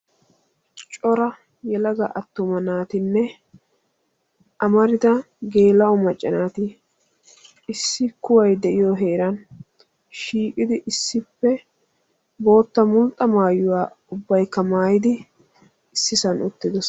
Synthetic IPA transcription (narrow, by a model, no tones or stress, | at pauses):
t͡ʃʼɔɾɐ | jɛlɐɡɐʔɐt̪ːʊmɐnaːt̪ɪnːɛ | ʔɐmɐɾɪd̪ɐ | ɡe̞ːlɐɔmɐt͡ʃʼːɐnaːt̪ɪ | ɪsːɪkʊwɐjd̪ɛʔɪjoɦe̞ːɾɐn | ʃiːkʼɪd̪ɪʔɪsːɪpːɛ | bo̞ːt̪ːɐmʊlt̪ʼːɐmaːjːʊwaː | ʊbːɐjkːɐmaːjɪd̪ɪ | ɪsːɪsɐnʊt̪ːɪd̪ɔs